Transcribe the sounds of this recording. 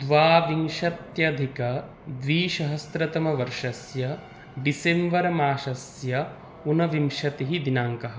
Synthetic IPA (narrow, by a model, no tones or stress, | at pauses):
d̪ʋaːʋiŋʃɐt̪jɐd̪ʱikɐ | d̪ʋiːʃɐɦɐst̪ɾɐt̪ɐmɐʋɐɾʃɐsjɐ | ɖisemʋɐɾɐmaːʃɐs | jɐ | unɐʋimʃɐt̪iɦid̪inaːŋkɐɦɐ̆